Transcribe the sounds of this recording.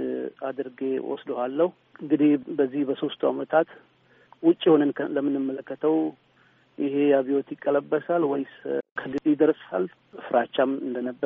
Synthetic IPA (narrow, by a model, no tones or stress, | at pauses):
ad̪ɨɾɡe̞wɔ̰sd̪ohalːəhu | ɨŋɡɨd̪ihbəzːihbəso̞st̪ʰuamət̪ʰat̪ | wʊt͡ʃʼːjho̞nənkʰələmːɨnːɨmːələkːət̪ʰəw | jʔɪhe̞jaβio̞t̪jɪkʼːələbːəsalwɔjskʰəɡɨd̪ʼid̪əɾsʼa̰l | fɨɾat͡ʃːamɨnd̪ənəbːəɾ